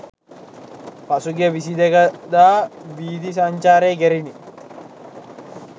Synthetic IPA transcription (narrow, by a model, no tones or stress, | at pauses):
pɐsʊɡɛbɪs̬id̪ɛɡɐd̪aːbiːd̪is̬ɐnt͡ʃaːɾeːɡɛɾɪnɪ